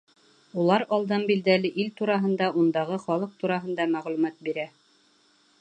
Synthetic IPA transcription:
ulˠɑɾɑlˠd̪ɤnbild̪ælɘʔilt̪uɾɑɦɤ̆nd̪ɑʔund̪ɑʁɤχɒlˠɤq̚t̪uɾɑɦɤ̆nd̪ɑmæʁlʉmæt̪̚biɾæ

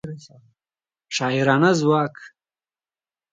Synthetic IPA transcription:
ʂɑːiɾɑːnazwɑːk

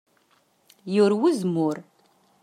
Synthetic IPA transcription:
jʊɾwizmʊɾ

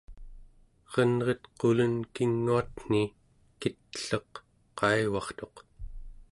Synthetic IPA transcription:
ʁʌnʁʌt̪qolənkiŋːuat̪n̥i | kit̪ːə̥ɬʌq | qːɑjwɑχt̪o̞q

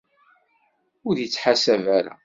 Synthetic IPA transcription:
ʊɾjət͡sːħasævæɾæ̰

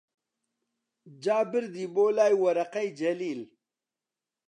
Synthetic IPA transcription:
d͡ʒaːbɪɾd̪iboːlaːjwɐɾɐqajd͡ʑɐliːl

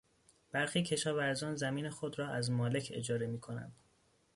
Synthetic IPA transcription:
b̥æɾxiːcʰe̞ʃɒːvæɾzɒːnzæmiːne̞xo̞d̪ɾɒːʔæzmɒːle̞cʰe̞̰d͡ʒɒːɾe̞miːkʰo̞næ̰nd̪̥

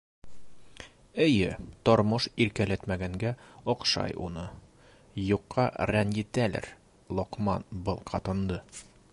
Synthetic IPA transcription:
ɘ̆jɘt̪ɒɾmɤʃiɾkælæt̪mæɡæŋɡæɒqʃɑ̰jṵnɤ | juqʰːɑɾænjit̪ælæ̰ɾ | lˠoqmɑ̰nbɤlˠqʰɒt̪ɤ̆nd̪ɤ

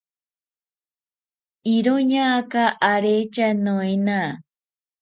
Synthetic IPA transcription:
iɾoɲakaʔaɾet͡ʃanoena

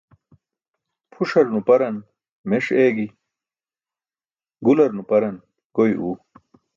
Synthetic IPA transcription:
pʰuʂɐɾnupɐɾɐn | meʂeːɡi | ɡulɐɾnupɐɾɐn | kojʔuː

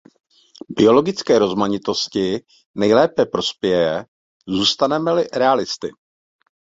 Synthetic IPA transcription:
bɪo̞lo̞ɡɪt͡skɛːɾo̞zmaɲɪt̪o̞scɪ | nɛjlɛːpɛpɾo̞spjɛjɛ | zuːst̪anɛmɛlɪɾɛalɪst̪ɪ

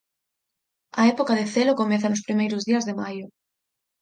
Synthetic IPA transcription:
ɐɛpokaðeθelokomɛθɐnʊspɾimejɾʊzðiɐzðemajʊ

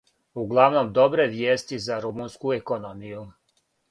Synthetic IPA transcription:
uɡlˠaʋno̞md̪o̞bɾe̞ʋjeːst̪izaɾumunskuekonomiju

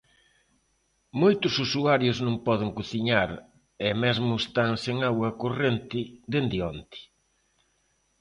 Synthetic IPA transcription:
mojt̪ʊsusuaɾjʊznõŋpɔðɪŋkuθiɲaɾ | ɛmɛzmʊest̪aŋseŋawɐkorent̪ɪd̪end̪ɪɔnt̪ɪ̥

